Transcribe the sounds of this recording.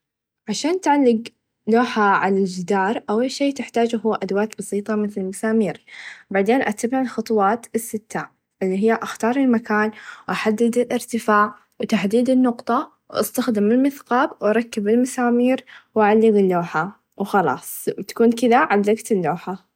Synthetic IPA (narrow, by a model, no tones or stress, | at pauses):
ʕaʃaːnt̪ʕalːɪɡ | loːħaʕalald͡ʒɪd̪ɑːɾˤʔawaʃeːt̪ɪħt̪aːd͡ʒɦʊwːʔad̪waːt̪bɑsˤiːt̪ˤɑmɪθlɪlmasaːmiːɾbaʕd̪eːnʔat̪abɪʕɪlxɑt̪ˤwɑːt̪ɪsːɪt̪ːaːʕ | ʔɪlːiɦɪjːaʔaxt̪ɑːɾˤɪlmakaːnwʔaħad̪ːɪd̪ɪlʔɪɾt̪ɪfaːʕ | wt̪aħd̪iːd̪ɪnːʊqt̪ˤɑ | wʔa̰st̪axd̪ɪmɪlmɪθqɑːbwʔɑɾˤɑkːɪbɪlmasaːmiːɾwʔaʕalːɪɡɪlːoːħa | wxɑlɑ̰ːsˤwt̪ḁkuːnkɪðaʕalːaɡt̪ɪlːoːħa